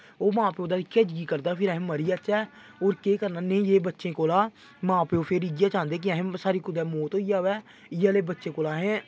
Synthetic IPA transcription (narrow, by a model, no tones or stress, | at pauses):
oːmãːpeːoːd̪aːikʰeːd͡ʒɡiːkəɾd̪aːpʰɪɾɛɦẽːməɾiːaːt͡ʃɛː | oːɾkeːkəɾnaːnẽĩjeːbətːʃẽːkoːlaː | mãːpeːoːpʰeɾiːɡɪjaːt͡ʃãːnd̪eːk̬ɪəːɦẽːsaːɾiːkʊd̪ɛːmoːt̪ɦoːiːaːʋɛː | ɪjaːleːbətːʃẽːkoːlaːɦɛ̃ː